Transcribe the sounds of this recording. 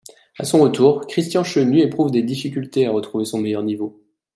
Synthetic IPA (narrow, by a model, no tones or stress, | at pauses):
a̰sɔ̃ʁət̪uːʁkχist̪jɑ̃ʃønyepχuvd̪ed̪ifikʲylt̪eaʁət̪χuvesɔ̃mejœʁnivo